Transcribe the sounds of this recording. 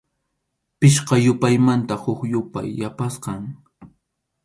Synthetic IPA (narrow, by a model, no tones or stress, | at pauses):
pɪʃqɑjʊpajmant̪ahʊkjʊpa̰jːapasqɑŋ